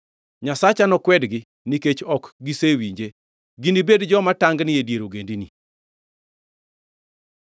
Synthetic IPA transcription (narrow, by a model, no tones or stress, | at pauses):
ɲasat͡ʃanɔkwɛdɡɪ | niket͡ʃɔkɡisewiɲd͡ʒe | ɡinibedd͡ʒɔmataŋɡnɪjedjeɾoɡendinḭ